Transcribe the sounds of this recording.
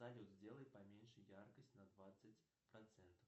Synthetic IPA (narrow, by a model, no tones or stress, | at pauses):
zalʲud̪zʲdʲelˠəjpɐmʲenʲʂɨjjarkəsʲtʲnɐd̪vat̪sət͡sʲ | pɾɐt̪sɛnt̪əf